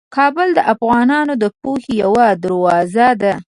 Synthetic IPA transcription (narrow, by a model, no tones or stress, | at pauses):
kʰɑbəld̪əʔafɣɑnɑnod̪əpohejawad̪əɾwɑzad̪a